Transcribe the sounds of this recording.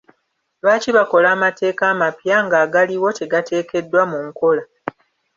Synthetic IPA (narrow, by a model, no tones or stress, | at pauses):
βaːciβako̞laːmate̞ːkaːmapjaŋɡaːɡaliwo̞te̞ɡatʰe̞ːke̞dːwamuŋko̞la